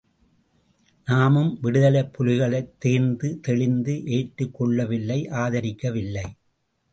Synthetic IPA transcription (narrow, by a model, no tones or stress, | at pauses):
naːmɯmʋɪɽɯðɐlɐpʰːʊlɪɣɐɭɐɪt̪ːeːɾnd̪ɯt̪ɛɭɪnd̪ɯʔeːʈːɯkːɔɭːɐʋɪlːɐɪʔaːðɐɾɪkːɐʋɪlːɐɪ